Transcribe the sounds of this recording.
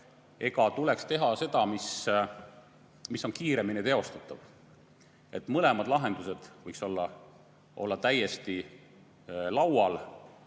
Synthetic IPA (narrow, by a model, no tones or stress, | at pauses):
e̞ɡɑt̪ule̞kst̪e̞ɦɑse̞d̪̥ɑmis | misːo̞nkiːɾe̞minet̪e̞o̞st̪u̥t̪ːˑɑv | e̞t̪ˑmɤle̞mɑd̪̥lɑɦe̞nd̪̥use̞d̪̥vɤjkso̞lːɑ | ʔo̞̰lːɑt̪æje̞st̪i | lɑwɑl